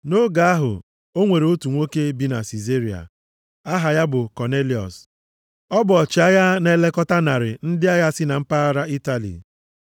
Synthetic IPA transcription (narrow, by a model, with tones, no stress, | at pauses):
no˦ɡa˨a˦ɦʊ̰˨ | o˦ŋʷe˨ɾo˦tu˨ŋʷo˦ke˦bi˦na̰˨si˨ze˦ɾi˨a̰˨ | a˦ɦa˨ja˦bʊ˨kɔ˨ne˦li˨ɔ̰˨s | ɔ˦bʊ˨ɔ˨t͡ʃɪ˨a˦ja˦ne˦˨le˦kɔ˦ta˦na˨ɾɪ̰˨n̩˦dɪ˦a˦ja˦sɪ˦na˨m̩˦pa˦a˦ɾa˦i˦ta˨lḭ˨